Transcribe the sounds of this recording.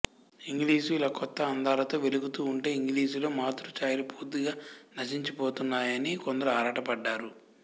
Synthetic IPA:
iŋɡliːsuilaːkɔt̪ːɐːnd̪ʱaːlɐt̪o̞ːʋe̞luɡut̪uːɳʈe̞ːiŋɡliːs̬ulo̞ːmaːt̪uɾut͡ʃaːjlupuːd̪iɡaːnɐʃiɲt͡ʃipo̞ːt̪unːaːjɐnikond̪ɐɾuaːɾaːʈɐpɐɖːaːɾu

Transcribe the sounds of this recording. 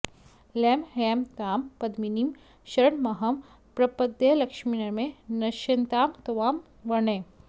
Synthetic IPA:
lɛːmɦeːmt̪aːmpɐd̪minim | ʃɐɾəɽmɐɦɐm | pɾɐpɐd̪jɐlɐkʃminɐɾmẽnɐʃɐnt̪aːmt̪ɐʋaːm | ʋɐnẽː

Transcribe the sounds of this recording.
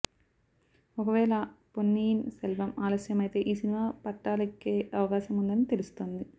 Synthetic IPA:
ɔkɐʋɛːlɐponːiːnselʋɐmaːlɐsjɐmɐjit̪e̞ːʔiːsinimaːpɐʈːaːlɐkːeːɐʋɐkaːʃɐmund̪ɐnit̪e̞lust̪oːnd̪i

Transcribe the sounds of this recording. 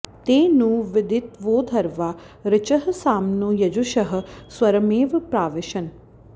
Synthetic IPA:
t̪eːnũːʋɪd̪ʱit̪ʋoːd̪ʱɐɾʋaː | ɾɪt͡ʃɐɦɐsaːmnujɐd͡ʒuʃɐɦɐ̆sʋɐɾɐmeːʋpɾaːʋɪʃɐn

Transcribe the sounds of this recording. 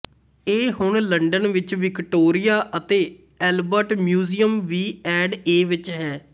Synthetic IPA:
eːɦʊɳləɳɖənʋɪt͡ʃʋɪkʈoːɾɪjaːʔət̪eː | ɛːlbəɾʈmjuːziːəmʋiːɛːɖeːʋɪt͡ʃɦɛː

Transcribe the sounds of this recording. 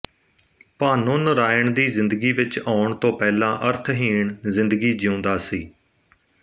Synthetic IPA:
pãːnuːnɾaːəɳd̪iːzɪ̃nd̪əɡiːʋɪt͡ʃaːʊɳt̪õːpɛːlãːʔəɾt̪ʰɦiːɳzɪnd̪əɡiːd͡ʒɪũːnd̪aːsiː

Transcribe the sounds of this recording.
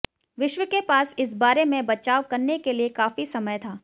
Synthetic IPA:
ʋɪʃwəkepaːsɪs̬baːɾemẽbɐt͡ʃaːʋkɐɾnekeliekaːfisɐməjt̪ʰaː

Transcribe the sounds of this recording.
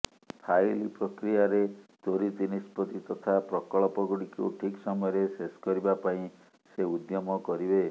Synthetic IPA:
tʰajlipɾɔkɾijaɾet̪oɾit̪inispɔt̪it̪ɔt̪ʰapɾɔkɔɭɔpɔɡuɽikuʈʰiksɔmɔjɔɾesesɔ̥kɔɾibapaĩ | seud̪jɔmɔkɔɾibe

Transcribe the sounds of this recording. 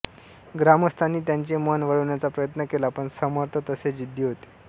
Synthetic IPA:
ɡɾaməst̪ʰanːiːt̪jaɲt͡ɕemənʋəɭəʋɳjat͡sapɾəjət̪nəkelaːpəɳsəməɾt̪ʰət̪əsed͡ʑid̪ʱːiɦot̪e̥

